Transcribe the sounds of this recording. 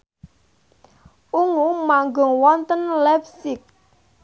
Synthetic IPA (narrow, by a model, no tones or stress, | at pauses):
ʔuŋumaŋɡɔŋwɔnt̪ənlɛpsɪk̚